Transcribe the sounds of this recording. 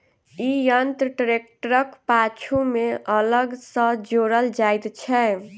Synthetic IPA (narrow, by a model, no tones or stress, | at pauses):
ijənt̪ɾəʈɾek̚ʈəɾəkpat͡ʃʰumeələɡsə̃d͡ʒoɾəld͡ʒajt̪t͡ʃʰɛ